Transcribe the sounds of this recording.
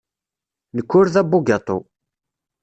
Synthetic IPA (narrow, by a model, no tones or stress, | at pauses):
nəkːʊɾðæbːuɡɑt̪ˤo̰